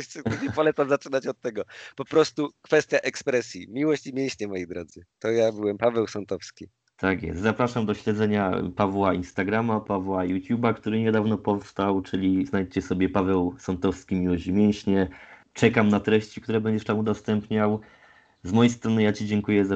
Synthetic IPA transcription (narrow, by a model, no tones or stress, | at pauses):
ɛpɔlɛt̪samzat͡ʂɘnat͡ɕɔt̪ːɛɡɔpɔpɾɔst̪ukfɛst̪ʲjaʔɛkspɾɛsʲjimʲiwɔɕt͡ɕimʲjẽɕɲɛmɔjed̪ɾɔd̪zɘt̪ɔjabɘwɛmpavɛwsɔnt̪ɔfskʲi | t̪ʰakjɛ̰st̪zapɾaʂamd̪ɔɕlɛd̪zɛɲapavwainst̪aɡɾamapavwajut̪ʲjubakt̪uɾɘɲɛd̪avnɔpɔfst̪awt͡ʂɘlʲiznajt͡ɕɛsɔbʲɛpavɛwsɔnt̪ɔfskʲimʲiwɔɕmʲjɛ̃ɕɲɛt͡ʂɛkamnat̪ɾɛɕt͡ɕikt̪uɾɛbɛɲd͡ʑɛʂt̪amud̪ɔst̪ɛmpɲaw | zmɔjejst̪ɾɔnɘjat͡ɕid͡ʑɛŋkujɛza